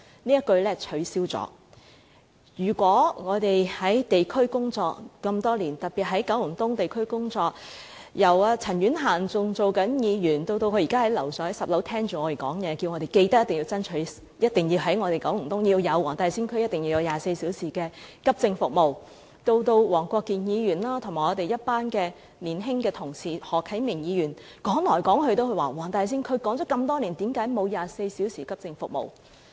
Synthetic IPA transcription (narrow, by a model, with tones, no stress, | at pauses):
niː˥jɐ˥t̚kɵ˧ɥlɛː˥t͡ʃʰɵ˨˥ɥsiː˥wt͡sɔ̰ː˨˥˦ | jyː˨˩kʷɔː˨˥ŋɔː˨˧t̪e˨jhɐ˨˥jt̪e˨jkʰɵ˥ɥkʊ˥ŋt͡sɔː˧k̚kɐ˧mt̪ɔː˥liː˨˩nt̪ɐ˨t̚pi˨t̚ɦɐ˨˥jkɐ˨˥wjʊ˨˩ŋt̪ʊ˥ŋt̪e˨jkʰɵ˥ɥkʊ˥ŋt͡sɔː˧k̚ | jɐ˨˩waː˧t͡sʰɐ˨˩njyː˨˥nɦaː˨˩nt͡sʊ˧ŋt͡so˨wkɐ˨˥njiː˨˧jyː˨˩nt̪o˧wt̪o˧wkʰɵ˧ɥjiː˨˩kaː˥hɐ˨˥jlɐ˨˩wsɔː˨˥ɐ˨˥sɐ˨p̚lo˨˥wt̪ʰɛː˥ŋt͡ʃyː˨ŋɔː˧te˨˩kɔː˨˥ŋjɛː˨˧ki˧wŋɔː˨˧ɾe˨˩jke˧jt̪ɐ˥jt̪ɪ˨˩ŋjiː˧wt͡sɐ˥nt͡ʃʰɵ˨˥ɥ | jɐ˥t̪̚ɪ˨ŋjiː˧wɦɐ˨˥jŋɔː˨˧e˨jkɐ˨˥ŋŋ̩˨˩t̪ʊ˥ŋjiː˧wjɐ˨˧wɔː˨˩ŋt̪aː˨˧jsiː˥nkʰɵ˥jɐ˥t̪̚ɪ˨˩ŋji˧jɐ˨˧wjaː˨se˧jsiː˨˥wsiː˨˩kɛː˧kɐ˥p̚t͡sɪ˧ŋfʊ˨k̚mo˨w | t̪o˧wt̪o˧wwɔː˨˩ŋkʷɔː˧kːiː˨njiː˨˧jyː˨˩nlaː˥t̪ʰʊ˨˩ŋmaː˨˩ɔː˧t̪e˨jɐ˥t̚paː˥nkɛː˧ | liː˨˩nɦɪ˥ŋkɛː˧t̪ʰʊ˨˩ŋsiː˨hɔː˨kʰːɐ˨˥jmɪ˨˩ŋjiː˨˧jyː˨˩n | kɔː˨˥ŋlɔː˨˩jkɔː˨˥ŋhɵ˧t̪o˥whɵ˧waː˨˩wɔː˨˩ŋt̪aː˧js̬iː˥nkʰɵ˨˧ɥkɔː˨˥ŋt͡ʃɔ˨˥kɐ˧mt̪ɔː˥liː˨˩nt̪iː˨˥mkaː˨˥jmo˨˧wjaː˨˩se˧jsiː˨˥wsiː˨˩kɐ˥p̚t͡sɪ˧ŋfʊ̰˨k̚mo̰˨˩w